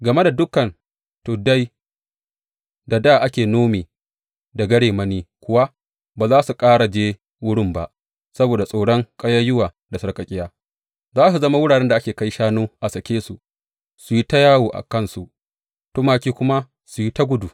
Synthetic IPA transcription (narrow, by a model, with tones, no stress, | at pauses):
ɡɐ˨me˦da˨dʊ˦kɐ˨n | toː˨da˦j | da˨da˦˨ʔa˦kʲeː˨noː˦meː˨ | da˨ɡɐ˦ɽeː˨mɐ˦niː˦kʷʊ˦wa˦ | baː˨zaː˦su˨kʼaː˦ɽa˨d͡ʒeː˦ | wʊ˦ɽɪ˦mba̰˦ʔ | sɐ˦boː˨da˨sʼa˨wɽɔ˦ŋkʼɐ˦jɐ˦jʊ˦waː˨ | da˨sɐ˨ɽkɐ˨kʲʼɪ˦jaː˦ | zaː˦su˨zɐ˦ma˦wʊ˦ɽaː˨ɽɛ˦nda˨ʔa˦kʲeː˨ka˦jʃaː˦noː˦ʔa˨sɐ˨kʲeː˦sṵ˨ | su˨ji˦ta˦jaː˦woː˨ʔa̰˨kɐ˦nsu˨ʔ | to˦maː˨kʲiː˦kʷʊ˦ma˦ | su˨ji˦ta˦ɡʷʊ˦du˨